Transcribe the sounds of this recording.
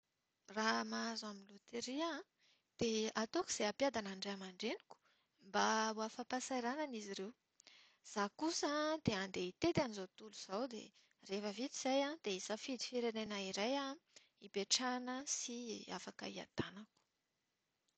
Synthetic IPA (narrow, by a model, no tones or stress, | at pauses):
ramaazaminlut̪eɾia | d̪̥eat̪okuz̥eapjad̪anaɳɖ͡ʐaamaɳɖ͡ʐeni̥ku̥ | mbauafapasajɾananiziɾew | z̥akusad̪eand̪eit̪et̪anizot̪uluz̥awd̪ḛ | refəvit̪iz̥ajãd̪̥eisafid̪i̥fiɾenenaiɾaja | ipeʈ͡ʂanəsia̰fakə̰ia̰t̪anaku̥